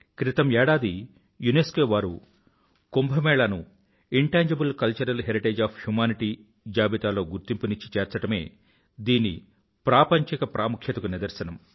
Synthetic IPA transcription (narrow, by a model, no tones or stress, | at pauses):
kɾit̪ɐmɛːɽaːd̪i | juneskoːʋaːɾṵ | kombʱɐmɛːɭɐnu | iɳʈaːɲd͡ʒɐbulkɐlt͡ʃɐɾɐlɦeɾiʈeːd͡ʒaːpʰhjumaːniʈiː | d͡ʒaːbit̪aːlo̞ːɡuɾt̪impuniɲt͡ʃːi̥t͡ʃɛːɾt͡ʃɐʈɐme̞ː | d̪iːnḭ | pɾaːpɐɲt͡ʃikɐpɾʔaːmukʰjɐt̪ɐkunid̪ɐɾsɐnɐm